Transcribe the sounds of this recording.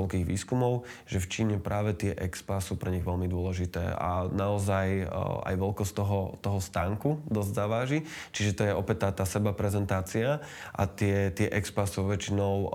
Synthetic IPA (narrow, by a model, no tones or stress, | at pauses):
ɛlkiːɣʋḭːskumɔʊ | ʒ̥ɛft͡ʃiːɲɛpɾʔaːʋɛt̪ɪɛʔɛkspasuːpɾɛɲiɣʋɛlmid̪ʊɔlɛʒit̪ɛ̰ːa̰naɔzaja̰jʋɛlkɔst̪ɔɦɔt̪ɔɦɔst̪aːŋkud̪ɔzɟzaʋaːʒi | t͡ʃiʒɛt̪ɔjɛɔpɛc̚t̪ːaːt̪aːsɛbapɾɛzɛnt̪aːt͡sia | ʔa̰t̪ɪɛt̪ɪɛʔɛkspasuʋɛt͡ʃinɔʊ